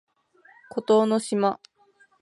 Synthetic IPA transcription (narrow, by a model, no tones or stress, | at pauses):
kot̪oːnoɕima